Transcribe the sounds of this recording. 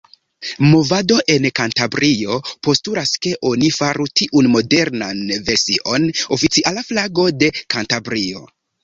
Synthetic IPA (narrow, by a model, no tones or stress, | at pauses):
mo̞vado̞ʔe̞nkantabɾʔio̞po̞stuɾaske̞ʔo̞nifaɾutiʔunmo̞de̞ɾnanve̞ɾsiʔo̞no̞fit͡siʔalaflaɡo̞de̞kantabɾio̞̰